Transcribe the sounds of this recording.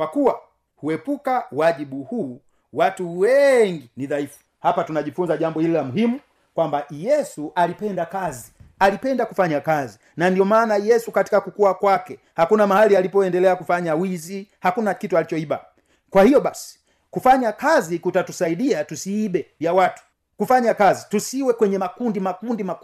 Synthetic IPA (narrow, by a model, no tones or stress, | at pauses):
kwakuwa | huɛpukawaʄiɓuhuː | watuwɛŋɡiniðaifu̥ | hapatunaʄifunzaʄambɔhililamuɦimu | kwambajɛsuʔalipɛndakazialipɛndakufaɲakazi | nandiɔmaːnajɛsukati̥kakukuwakwakɛ | hakunamahalialipɔɛndɛlɛakufaɲawizihakunakitualit͡ʃɔiba | kwahijɔɓasi̥ | kufaɲakazikutatusaiɗiatusiːbɛjawatu̥ | kufaɲakazitusiwɛkwɛɲɛmakundimakundimak